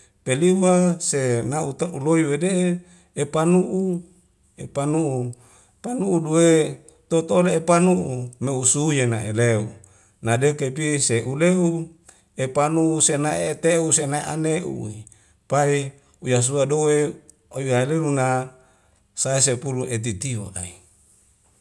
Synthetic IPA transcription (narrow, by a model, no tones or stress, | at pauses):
peliwasenaut̪auloiwedee | epanuʔu | epanuʔu | panuudowe | t̪ot̪ooleepanuʔumeusujenaʔeleu | nadekepiseʔuleu | epanuusenaeːt̪eusenaeʔa̰neʔṵi | pai | ujas̬uadowe | oiaeleluna | saesepuluet̪̬it̪iwo̰ʔa̰i